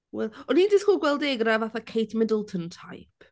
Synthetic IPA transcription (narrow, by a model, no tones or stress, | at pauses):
wɛlˠɔniːndɪskɔɡwɛlˠdeɡravaθakʰejtʰmɪdəlˠtʰɔntʰajpʰ